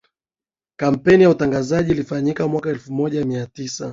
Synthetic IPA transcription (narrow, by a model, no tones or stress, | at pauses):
kam̩pɛnijautaŋɡazaʄiːlifaɲikamwakaɛlfumɔʄamiatisa